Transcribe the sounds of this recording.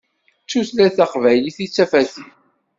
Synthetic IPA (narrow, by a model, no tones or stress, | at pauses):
t͡sːuθlæθæqvæjliθit͡sːæfæθi